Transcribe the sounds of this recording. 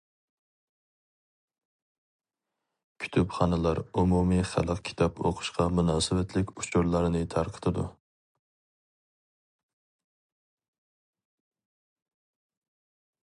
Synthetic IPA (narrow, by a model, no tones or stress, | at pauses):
kʲʰy̥t̪ʰypχɑnɨlˠɑɾumumiχæ̰lˠəqkʲʰi̥t̪ʰɑpʰo̰qʰʊ̥ʃqɑmunɑːsɪwɛt̪ʰlɪkʲut͡ʃʰuɾlˠɑɾɨnɨt̪ʰɑɾqʰə̥t̪ʰɨd̪ṵ